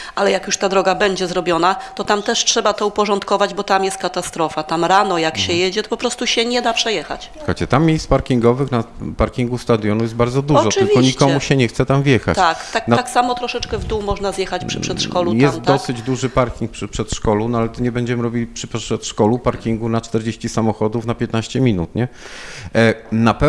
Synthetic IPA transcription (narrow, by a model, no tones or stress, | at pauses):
ʔalɛjakjuʂt̪ad̪ɾɔɡabɛɲd͡ʑɛzɾɔbʲjɔnat̪ɔt̪amt̪ɛʂtʂɛbat̪ɔupɔʐɔnt̪kɔvad͡ʑbɔt̪amjɛst̪kat̪ast̪ɾɔfat̪amɾanɔjakɕɛjɛd͡ʑɛt̪ɔ̥pɔpɾɔst̪uɕɛɲɛd̪apʂɛjɛxa̰t͡ɕka̰t͡ɕɛt̪amːʲjejspaɾkʲiŋɡɔvɘxnapaɾkʲiŋɡust̪ad̪ʲjɔnujɛt̪̚baɾd̪ɔd̪uʐɔt̪ɪvʲiɔɲikɔmuɕɛɲɛxt̪sɛt̪amvʲjɛxa̰t̪akt̪aknaksamɔt̪ɾɔʂɛt͡ʂkɛvd̪uwmɔʐnazjɛxat͡ɕpʂɨpʂɛt̪ʂkɔlutj̪ɛs̚ɔsɘd͡ʑd̪uʐɘpaɾkʲiŋk̚pʂpʂɛt̪ʂkɔlɔnɔalɛt̪ɔɲɛbɛɲd͡ʑɛmɘɾɔbʲilʲipʂɘʂɛt̪ʂkɔlupaɾkʲiŋɡunat͡ʂt̪ɛɾd͡ʑeɕt͡ɕisamɔxɔd̪ufnapʲjɛt̪naɕt͡ɕɛmʲinut̪ɲɛ | napɛ